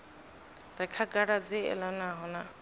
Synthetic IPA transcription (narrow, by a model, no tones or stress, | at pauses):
ɾɛkʰakaɽad͡ziɛ̰lɔnaɦʊna